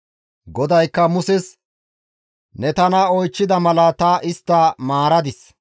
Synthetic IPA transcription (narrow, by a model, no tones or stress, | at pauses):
ɡɔd̪ɐjkːɐmʊsɛs | nɛt̪ɐnɐɔjt͡ʃːɪd̪ɐmɐlɐt̪ɐʔɪst̪ːɐmaːɾɐd̪ɪs